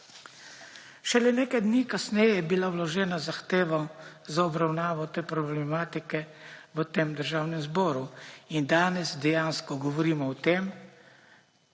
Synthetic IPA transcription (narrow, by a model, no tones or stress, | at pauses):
ʃɛlɛneːkajd̪niːkasnɛjɛbilawlɔʒɛːnazaxt̪eːʋɔzaɔbɾawnaːʋɔt̪eːpɾɔblɛmaːt̪ikɛʋət̪eːmd̪əɾʒaːwnɛmzbɔːɾuind̪aːnɛzd̪ɛjaːnskɔɡɔʋɔɾiːmɔɔt̪eːm